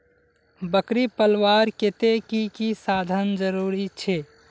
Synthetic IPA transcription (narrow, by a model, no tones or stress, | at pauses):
bəkɾipəlwaɾket̪ekikisad̪ʱənd͡ʒəɾuɾit͡ʃʰe